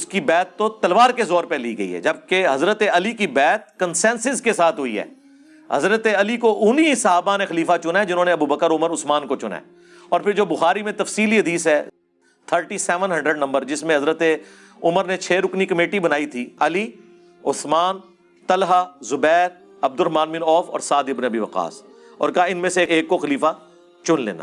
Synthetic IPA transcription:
ʊskibɛːt̪ːot̪ɐlʋaːɾkezɔːɾpeliɡɐḭɦɛ̰d͡ʒɐb̚keɦɐzɾət̪eɐlikibɛːt̪̚kənsɛ̃ːnsɪzkesaːt̪ʰɦʊḭɦɛ̰ː | hɐ̰zɾət̪eɐlikoʔʊnisɐɦaːbanexɐliːfat͡ʃʊnaɛd͡ʒɪnɦõːneɐbuːbəkəɾʊməɾʊsmaːnkot͡ʃʊna̰ | ɔːɾpʰɪɾd͡ʒoːbʊxaːɾimẽt̪ɐfsiːliɦɐd̪iːsɦɛː | t̪ʰəɾʈisɛːʋənɦɐ̃ɳɖɾəɖnɐ̃mbəɾd͡ʒɪsmẽɦɐzɾət̪e | ʊməɾnet͡ʃʰeːɾʊknikəmeːʈibɐnaːit̪ʰiɐli | ʊsmaːn | t̪əlɦazʊbɛːɾ | ɐb̚d̪ʊɾɦɐmãːnminɔːfɔ̰ːɾsaːd̪ɪbneɐbiʋɐqa̰ːs | ɔ̰ːɾkɐɦaɪnmẽseeːkːoxɐliːfa | t͡ʃʊnlḛːna̰

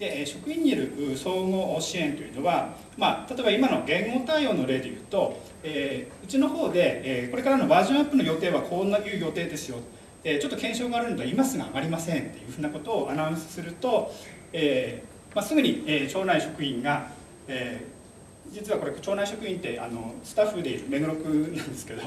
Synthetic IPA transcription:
d̪̥e̞ʔːɕo̞kɯ̟ĩɲ̟ːiaɾɯ̟ʔɯːso̞ːŋo̞ːʔɕiẽ̞nt̪o̞jiɯ̟no̞βa | mat̪at̪o̞ebaimano̞ɡẽ̞ŋɡoːt̪aijo̞ːno̞ɾe̞ːd̪e̞jɯ̟̰ːt̪o̞ | eːɯ̟t͡ɕino̞ho̞ːd̪e̞eːko̞ɾe̞kaɾano̞baːʑõapːɯ̟no̞jo̞t̪e̞ːβakʰonːajɯ̟ːjo̞t̪e̞ːd̪e̞sɨjo̞t̪ | et͡ɕot̪ːo̞kẽ̞ɰ̃ɕo̞ːɡaːɾɯ̟nod̪imasɨɡa̰ːɡaɾʲimasẽ̞nt̪ːe̞jɯ̟ːɸɯ̟ːnako̞t̪o̞ːʔanaɯ̟̃sɨ̥sɨɾɯ̟t̪o̞ | eː | masɨɡɯ̟ɲ̟ieːt͡ɕo̞ːnaiɕo̞kɯ̟ĩŋɡa | eː | d͡ʑit͡sɨβako̞ɾekt͡ɕo̞ːnaiɕo̞kɯ̟ĩnt̪e̞ʔa̰no̞̰sɨ̥t̪aɸːɯd̪e̞ḭɾɯ̟me̞nɯ̟ɾo̞kɯ̟nãnd̪e̞sɨ̥ke̞d̪o

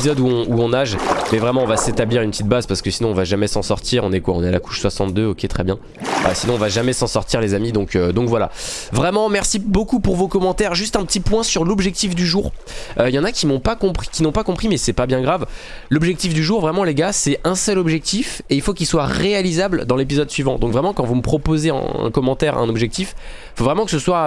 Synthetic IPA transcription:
pizɔd̪uɔ̃uɔ̃naʒmɛvʁɛmɑ̃ɔ̃vaset̪abliʁynpət̪it̪̚bazpaʁsə̥kəsinɔ̃ɔ̃vaʒamɛsɑ̃sɔʁt̪ʰiʁɔ̃nɛkwaɔ̃nɛala̰ku̥ʃswasɑ̃t̪̚d̪øokʲet̪χɛbjɛ̃ | ba̰sinɔ̃ːvaʒamɛsɑ̃sɔʁt̪iʁlezamid̪ɔ̃kød̪ɔ̃kvwala̰vʁɛmɑ̃mɛʁsibokupuʁvokɔmɑ̃t̪ɛʁʒyst̪ɛ̃pət̪ipwɛ̃syʁlɔbʒɛk̚t̪ifd̪yʒuʁ | øjɑ̃nakʲimɔ̃pakɔ̃pχi̥kʲinɔ̃pakɔ̃pχimɛsɛpabjɛ̃ɡʁav | lɔbʒɛk̚t̪ifd̪yʒuʁvʁɛmɑ̃leɡasɛɛ̃sœlɔbʒɛk̚t̪ifeilfokʲilswaʁealizabləd̪ɑ̃lep̬izɔd̪sɥivɑ̃d̪ɔ̃kvʁɛmɑ̃kɑ̃vuməpχɔpozeɛ̰̃ɛ̰̃kɔmɑ̃t̪ɛʁɛ̰̃nɔbʒɛk̚t̪if | ifovʁɛmɑ̃kə̥səswa

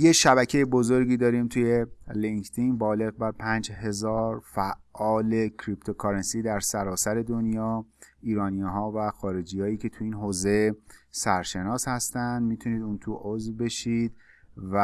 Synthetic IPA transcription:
jeʃæbæcʰe̞jebozo̞ɾɡiːd̪ɒːɾiːmt̪ʰuje̞liŋkt̪ʰinbɒːle̞ɣbæɾpʰæːnd͡ʒɦe̞zɒːɾfæʔɒːle̞cʰɾipt̪ʰo̞kʰɒɾensiːd̪æɾsæɾɒːsæɾe̞d̪onjɒːiːɾɒːniɦɒːvæxɒːɾe̞d͡ʒiːhɒːjiːcʰe̞t̪ʰuiːnɦoːze̞sæɾʃe̞nɒːshæst̪ænd̪mit̪ʰuniːd̪uːnt̪ʰuʔozvbe̞ʃiːd̪̥væ

